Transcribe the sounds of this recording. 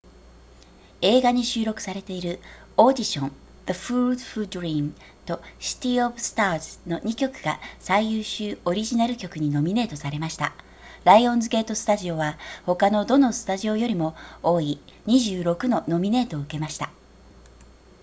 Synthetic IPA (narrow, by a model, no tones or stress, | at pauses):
e̞ːɡaɲ̟iɕɨːɾo̞kɯ̟̥saɾe̞t̪e̞iɾɯ̟ | o̞ːd̪ʲiɕõ̞n | d̪aɸɯːd̪ɸɯ̟d̪ɾʲiːn | t̪o̞ɕi̥t̪ʲiobɯ̟sɨ̥t̪aːzɨ̥no̞ɲ̟ikʲo̞kɯ̟ɡ̥a̰saijɯːɕɨːo̞ɾʲiʑinaɾɯ̟kʲo̞kɯ̟ɲ̟ino̞mʲine̞ːt̪o̞saɾe̞maɕi̥t̪a̰ | ɾaiõ̞nzɨɡe̞ːt̪o̞sɨ̥t̪aʑio̞βaho̞kano̞d̪o̞no̞sɨ̥t̪aʑio̞jo̞ɾʲimo̞o̞ːiɲ̟iʑɨːɾo̞kɯ̟no̞no̞mʲine̞ːt̪o̞ːɯ̟ke̞maɕi̥t̪a